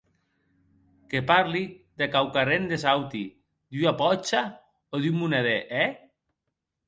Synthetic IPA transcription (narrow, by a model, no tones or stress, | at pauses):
kepaɾliðekawkarend̪esawt̪i | d̪yapɔt͡ʃa | oðymmuneðeʔɛ